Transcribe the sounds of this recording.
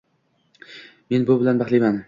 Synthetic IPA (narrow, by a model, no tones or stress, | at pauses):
me̞nbʊbɪlanbaχlˠijman